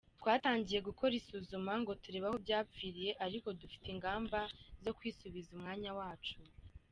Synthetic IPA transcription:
twaːtaːɲɟije̞ɡuko̞ɾisuːzumaŋɡo̞tuɾe̞ːβahobɟaːpfiːɾije̞ʔaɾiko̞dufi̥tiŋɡaːmbazo̞kwiːsuβizumŋaːɲawaːt͡ʃu

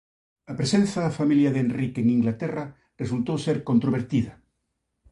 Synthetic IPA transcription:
apɾesẽn̟θaðafamiljaðenrikeŋiŋɡlat̪era | res̬ult̪owseɾkont̪ɾoβ̞eɾt̪iðɐ

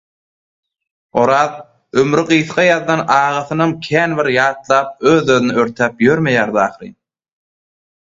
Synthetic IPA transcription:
o̞ɾɑːð | ømɾiɢɯjθqɑjɑðːɑnɑːʁɑθɯnɑmkʲʰæːnβiɾjɑːt̪lˠɑːp̚øːðøðynyøɾt̪ʰæːpjøɾmejæːɾd̪ɑːχɾḭ

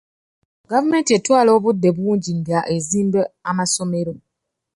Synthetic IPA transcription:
ɡavume̞ːntie̞twaːlo̞ːβud̪ːe̞βuːɲɟiŋɡaʔeziːmbeamaso̞me̞ɾo̞

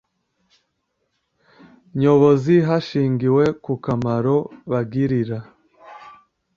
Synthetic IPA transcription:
ɲo̞βo̞ziɦaʃiːŋɡiwe̞kukamaɾo̞βaɡiɾiɾa

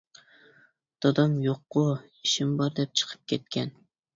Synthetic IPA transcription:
d̪̥ɒd̪ɑmjoqːʊ | iʃɪmbɒɾd̪ɛp̚t͡ʃʰɨ̥qʰɨ̥p̚kʲʰet̪̚kʲʰɛn

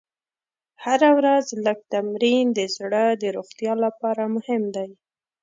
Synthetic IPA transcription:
haɾawɾazləɡ̚t̪amɾind̪əzɽəd̪əɾoxt̪jɑlapɑɾamʊhɪmd̪aj

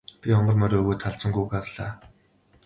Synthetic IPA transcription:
pʲiɔmə̆rmɔɾoːɣoːt̪ʰaɮt͡sɞ̆ŋɡuːkarɮaː

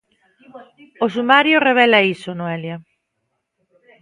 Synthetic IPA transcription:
os̬umaɾjoreβ̞elaisonoelja

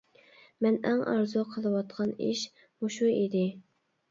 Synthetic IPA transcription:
mɛnɛŋɑ̰ɾzuqʰəlˠɨwɑt̪qʰɑniʃ | muʃuid̪ɪ

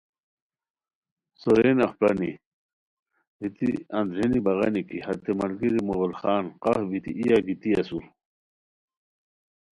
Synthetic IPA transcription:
soɾenɐχpɐni | bit̪ḭɐnd̪ɾenibɐɣɐnikihɐt̪ːemɐlɡiɾimoɣulxaːnqɐhbit̪ḭʔijaɡit̪iɐsuɾ

